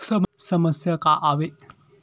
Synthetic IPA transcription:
səmsəməsjakaʔaʋe

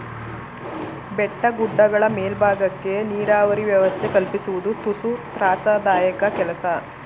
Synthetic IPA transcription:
bɛʈːɐɡuɖːɐɡɐɭɐmeːlbʱaːɡɐkːe̞niːɾaːʋɐɾiʋjɐʋɐst̪ʰe̞kɐlpisuʋud̪ut̪usut̪ɾaːsaːd̪aːjɐkɐkɛlɐsɐ

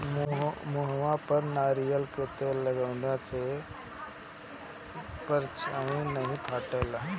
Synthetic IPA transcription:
mmoɦʋãpəɾnaːɾijəlkeːt̪elɐɡaːʋnjãse | pəɾt͡ʃʰãĩnɐɦĩp̪ʰaːʈəːla

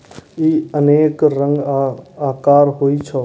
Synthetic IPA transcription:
iːəneːkɾə̃ŋɡaːkaːɾɦoːit͡ʃʰɔ

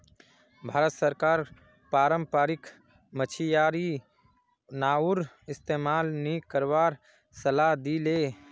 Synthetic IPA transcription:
bʱaːɾət̪səɾkaːɾ | pɾaːɾəmpaːɾɪk | mət͡ʃʰijaːɾi | naːuɾ | ɪst̪eːmaːlnikəɾʋaːɾ | səlad̪ileː

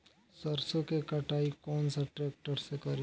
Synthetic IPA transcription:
səɾsokekɐʈʰaːikɔːnsaʈɾeːk̚ʈəɾsekɐɾi

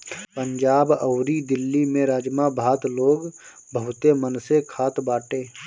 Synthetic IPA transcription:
pəɲd͡ʒaːbəʊɾid̪ɪlːimẽɾaːd͡ʒmabʱaːt̪loːɡ | bəɦʊt̪emənsekʰaːt̪baːʈeː

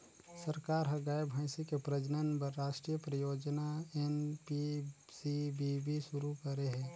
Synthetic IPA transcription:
səɾkaːɾɦɐɡaːjebʱaːɪsikepɾəd͡ʒnənpɐɾːaːʃʈɾijəpɾəjoːd͡ʒnaenpi | sibibʱiʃʊɾukəɾeɦɛ̃ː

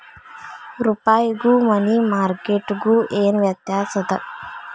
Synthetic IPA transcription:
ɾupaːjɡuːmɐnimaːɾkeʈɡuʔeːnʋjɐt̪jaːsɐt̪ɐ

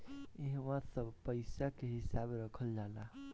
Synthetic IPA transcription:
eɦʋãsəbpəɪsakeɦisabɾəkʰəld͡ʒala

